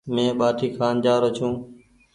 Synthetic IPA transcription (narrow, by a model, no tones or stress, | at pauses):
mẽːɓaːʈʰiːkʰaːnd͡ʒaːɾot͡ʃũː